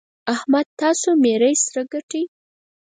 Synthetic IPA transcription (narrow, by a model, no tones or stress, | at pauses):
ahmad̪̚t̪ɑsomeɾəjsɾaɡaʈəj